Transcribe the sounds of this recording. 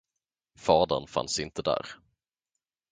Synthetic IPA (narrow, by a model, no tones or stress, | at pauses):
fɑːd̪ənfa̰nsɪnt̪əd̪æ̰ːɾ